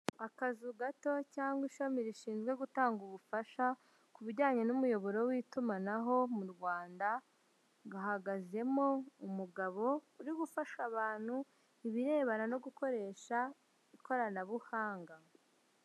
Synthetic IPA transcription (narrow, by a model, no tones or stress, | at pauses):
akazuɡato̞caːŋɡwiʃamiɾiʃiːnzɡwe̞ɡutaːŋɡuβufaʃa | kuβiɾɟaːɲe̞numujo̞βo̞ɾo̞wiːtumanaɦo̞muɾɡwaːnda | ɡahaɡaze̞mo̞umuɡaβo̞uɾiɡufaʃaβaːn̥hu | iβiɾe̞ːβanano̞ɡuko̞ɾe̞ːʃa | iko̞ɾanaβuhaːŋɡa